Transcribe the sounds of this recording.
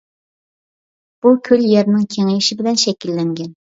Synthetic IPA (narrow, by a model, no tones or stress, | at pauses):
b̥ukʲʰøljɛɾnɪŋkʲʰeŋɪjiʃɪbɪlɛnʃɛkʲilːɛŋɡʲɛn